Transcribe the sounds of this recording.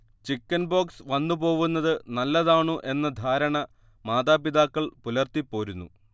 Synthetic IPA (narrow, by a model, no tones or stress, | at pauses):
t͡ɕikːɐnbo̞ːksʋɐnːupo̞ːʋunːɐðɨnɐlːɐðaːɳuʔe̞nːɐd̪ʱaːɾɐɳɐ | maːðaːpiðaːkːɐɭpulɐrt̪ipːo̞ːɾunːṵ